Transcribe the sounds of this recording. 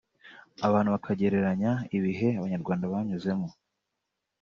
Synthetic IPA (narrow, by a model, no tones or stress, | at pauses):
aβaːnhuβakʰaɟe̞ɾe̞ɾaɲaiβiɦe̞aβaɲaɾɡwaːndaβaɲuze̞mo